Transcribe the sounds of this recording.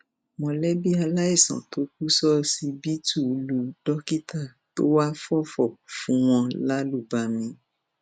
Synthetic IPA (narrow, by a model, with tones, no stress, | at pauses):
mɔ̃˧lɛ˦bi˦a˧la˦i˦˨sã̰˨to˨˦k̚u˦sɔ˦si˧bi˦tu˦˨lu˧dɔ˦ki˦ta˦˨ | to̰˦wa˦fɔ˦fɔ˦˨fũ˨˦w̃ɔ̃˧la˦lu˦˨ba˨˧mĩ˧